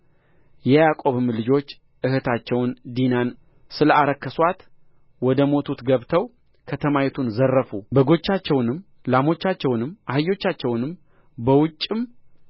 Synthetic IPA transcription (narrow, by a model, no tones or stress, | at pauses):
jɛjakʼo̞βɨmlɨd͡ʒo̞t͡ʃː | ʔɨhɨt̪ʰat͡ʃːɛwnd̪inan | sɨləaɾəkːəswat̪ | wɔd̪əmo̞t̪ʰut̪ɡəβt̪ʰəw | kʰət̪ʰəmajɛt̪ʰunzərːəfubəɡo̞t͡ʃːat͡ʃːɛwnɨm | lamo̞t͡ʃːat͡ʃːɛwnɨmʔahɨjːo̞t͡ʃːat͡ʃːɛwnɨm | bəwʊt͡ʃʼːɨm